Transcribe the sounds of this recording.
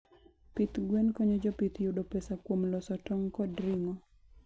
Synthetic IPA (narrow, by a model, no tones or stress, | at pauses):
pit̪ɡwɛnkɔɲod͡ʒɔpit̪judopesakwomlɔsɔtɔŋkɔdɾɪŋɔ